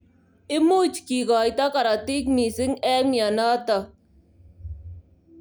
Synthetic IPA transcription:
ɪ˦mu˦t͡ʃki˨ɣaː˨jt̪a˦ka˨ɾa˨t̪i˦kmi˨sɪ˦ŋɛː˦mja˨naː˦t̪a˨

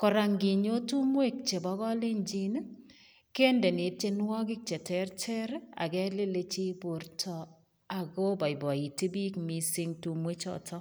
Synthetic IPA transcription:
kɔ˨ɾa˨ŋɡi˨ɲo˦tu˦mwe˦˨k̚t͡ʃe˨bɔ˦kɔ˦le˦ɲd͡ʒi˦n | ke˦nde˨ni˨t͡ʃe˦nwɔ˦kɪ˦k̚t͡ʃe˨tɛ˦rtʰɛ˦ɾa̰˨kɛ˦le˦le˦t͡ʃi˦bo˨ɾtʰɔ˨ | a˨ɡo˦ba˨jbɔ˨i˨ti˦bi˦kmi˨si˦ŋtu˨mwe˦t͡ʃɔ̰˨tʰɔ˦

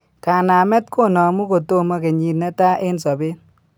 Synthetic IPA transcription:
ka˨na˨mɛ˦t̚kʰo˦nɔ˨mu˦ko˨to˦˨ma˦ke˨ɲi˨tna˦ta˦ʔɪ˦nsɔ˨bɪ˦

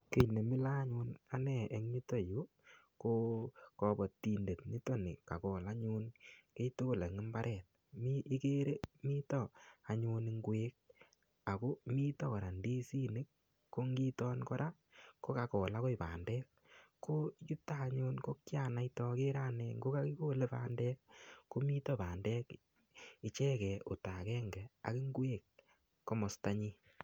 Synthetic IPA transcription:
ke˨ne˨mi˦la˦ɲu˧na˨nɛ˦˨e˨ŋɲi˦to˦ju˦ | ko˦kɔ˧bɔ˨ti˨nde˨tɲi˦tɔ˦nḭ˨ka˨kɔː˨la˦ɲu˦nke˦ito˦ko˨le˨ŋɪ˦mba˦ɾʔɛ˨t̚ | miʔi˦ke˦ɾe˦mi˦tɔ˨a˨ɲu˧ni˦ŋɡweː˦k̚ | a˨ko˦miː˦tɔ˦kɔ˨ɾa˨ndi˦si˦ni˦kː | o˦ŋɡi˦tɔ˦nkɔ˦ɾa˦ | ko˦ka˨kɔ˨la˦ko˦i˨pa̰ː˨ndɛː˦k | kːo˦t͡ʃu˦ta˦˨ɲo˦nko˦kja˨na˨itɔ˧ke˦ɾa˦nɛ˨ŋɡo˦ka˦ki˦ko˦le˦pa̰ː˨ndɛː˦kːko˦mi˦tɔ˦paː˨ndɛ˦k | i˨t͡ʃɛ˦kɛ˨ʔo˨ta˨kɛː˦ŋɡɛ˨a̰˨ki˦ŋɡwe˨kː | o˦mɔ˨sta˦ɲi˦

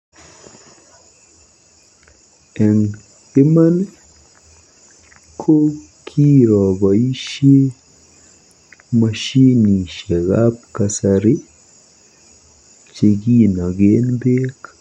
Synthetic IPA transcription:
ɛ˨ŋ | e˦ma˦n | kʰo˦ | kʰi˦ɾɔ˨ba˨i˦ʃe˦ | ma˨ʃi˦ni˨ʃɛ˨ɣa˦p̚ka˨saɾi˦ | t͡ʃe˧ɡi˦na˨ɡe˦nbe˦k

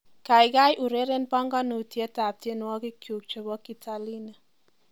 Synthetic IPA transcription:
ka˨jka˦jʔu˨ɾe˦ɾe˦npa˦ŋɡa˦nu˨tjɛ˦ta˨p̚tje˦n˦wɔ˦kɪ˦kju˨k̚t͡ʃo˨bɔ˦ki˨tʰa˨˦li˦na˨

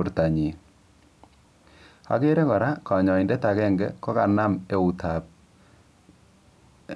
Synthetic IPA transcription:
ɾta˨ɲi˨ | a̰˨ke˦ɾɛ˦kɔ˨ɾa˦ka˨ɲɔ˨i˨ndɛ˦ta˨kɛ˦˨ŋɡɛ̰˦kɔ˦ka˨na˦me˦u˨tʰa˨p̚

